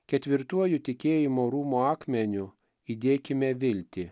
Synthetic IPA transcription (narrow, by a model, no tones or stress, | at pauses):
kʲɛt̪ʲʋʲɪɾt̪uɔjʊt̪ʲɪkʲeːjɪmoːɾuːmoɑːkmʲɛnʲʊ | iːd̪ʲeːkʲɪmʲɛʋʲɪlʲt̪ʲɪ